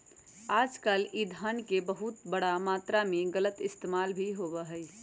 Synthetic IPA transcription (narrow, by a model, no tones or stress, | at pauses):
aːd͡ʒkaːlid̪ʱənkebəɦʊt̪bəɽamaːt̪ɾamẽɡələt̪ɪst̪eːmaːlbʱiɦoːbəɦəi